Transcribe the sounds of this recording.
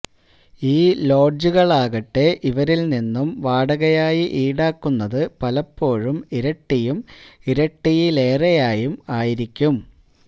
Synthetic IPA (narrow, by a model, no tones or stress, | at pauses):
iːlo̞ːɖd͡ʑuɣɐɭaːɣɐʈːe̞ʔiʋɐɾilninːumʋaːɽɐɣɐjaːjiʔiːɽaːkːunːɐðɨpɐlɐpːo̞ːɻumiɾɐʈːijumiɾɐʈːijile̞ːrɐjaːjumaːjiɾikʲːum